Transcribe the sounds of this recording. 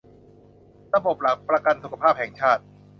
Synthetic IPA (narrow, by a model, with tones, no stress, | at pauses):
ɾa˧bo˨˩p̚la˨˩k̚pɾa˧ka˧nsu˨˩kʰa˧pʰaː˥˩p̚hɛ˨˩ŋt͡ɕʰaː˥˩t̪̚